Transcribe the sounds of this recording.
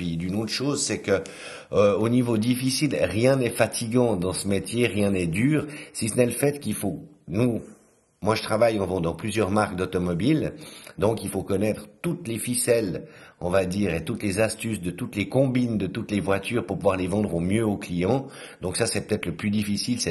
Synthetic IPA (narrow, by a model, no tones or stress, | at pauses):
id̪ynot̪χəʃoːzsɛkə | øonivod̪ifisilʁjɛ̃nɛfat̪ʰiɡɑ̃d̪ɑ̃səmet̪ʰjeʁjɛ̃nɛd̪yːʁsisənɛləfɛt̪kilfo | nu | mwaʒət̪χavajɑ̃vɑ̃d̪ɑ̃plyzjœʁmaʁk̚d̪ɔt̪ɔmɔbild̪ɔ̃kilfokɔnɛt̪χt̪ut̪lefisɛlɔ̃vad̪iːʁet̪ut̪lezast̪ysd̪ət̪ut̪lekɔ̃bind̪ət̪ut̪levwat̪yːʁpuʁpuvwaʁlevɑ̃d̪ʁomjøoklijɑ̃d̪ɔ̃ksasɛpø̥t̪ɛt̪χləplyd̪ifisilsɛ